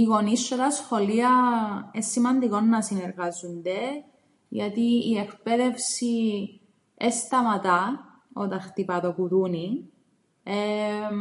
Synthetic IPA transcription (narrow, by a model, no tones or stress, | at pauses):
iɣo̞nisːot̪ɐsxo̞liɐesːimɐnd̪iko̞nːɐsineɾɣɐzund̪e | ʝɐt̪iːekpeðe̞fsi | est̪ɐmɐt̪ɐ | ot̪ɐnxt̪ipɐðo̞kuðuni | e